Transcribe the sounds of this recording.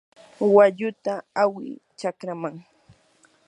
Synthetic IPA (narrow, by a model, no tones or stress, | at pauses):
waʎʊt̪aawɪ̰t͡ʃakɾamaŋ